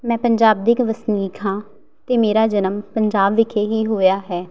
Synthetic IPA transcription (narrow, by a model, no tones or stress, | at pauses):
mɛ̃ːpəɲd͡ʒaːb̚d̪iːkʋəsniːkʰɦãː | t̪eːmeːɾaːd͡ʒənəmpəɲd͡ʒaːbʋɪkʰeːɦiːɦoːjaːɦɛː